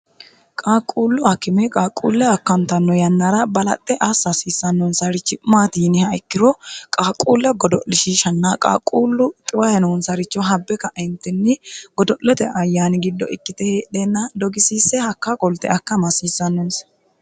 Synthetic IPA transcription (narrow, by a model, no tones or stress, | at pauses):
kʼaːkʼːuːlːʊɐkːɪmɛkʼaːkʼːṵːlːɛɐkːɐnt̪ɐnːɔjɐnːɐɾɐbɐlɐ̰t̪ʼːɛʔɐsːɐsiːsːɐnːɔnsɐɾɪt͡ʃːɪmaːt̪iːnɪhɐɪkːɪɾɔkʼaːkʼuːlːɛɡɔd̪ɔʔlːɪʃiʃɐnːaːkʼa̰ːkʼuːlːʊt̪ʼɪwɐjɐnɔnsɐɾɪt͡ʃːɔɦɐbːɛkɐʔɛnt̪ːɪnːɪɡ̥ɔd̪ɔʔlɛt̪ɛʔɐjːaːnɪɡɪd̪ːɔʔɪkːɪt̪ɛheːᶑenːɐd̪ɔɡɪsiːsːɛhɐkːakʼɔlt̪ɛ̰ɐkːɐmɐsiːsːɐnːɔns